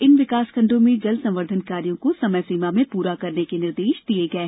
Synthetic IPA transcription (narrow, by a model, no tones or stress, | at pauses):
ɪnʋɪkaːskʰɐ̃ɳɖõmẽd͡ʒɐlsɐ̃mʋəɾd̪ʱənkaːɾijõkosɐməjsiːmamẽpuːɾakɐɾnekenɪɾd̪eːʃd̪ieɡɐeː